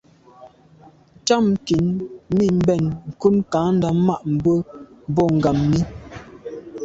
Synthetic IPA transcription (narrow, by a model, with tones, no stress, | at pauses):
t͡ʃa˦˨mki˨˦nmi˦˨m̩˦bɛ˦˨nŋ̩˨ku˦nka˨˦n̩˦da˨ma˦ʔm̩˨bə˦bɔ˦˨ŋ̩˨ɡa˨mːi˦